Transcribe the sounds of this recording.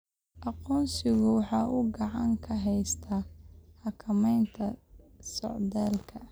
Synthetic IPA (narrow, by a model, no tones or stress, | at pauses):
ʔɑqɔːnsɪɣʊwɑħɑːʔʊɡɑʕɑŋkʰɐɦɛjst̪ʰɐhɐkʰɐmɛjnt̪ʰɐsɔ̰ʕd̪aːlkʰɐ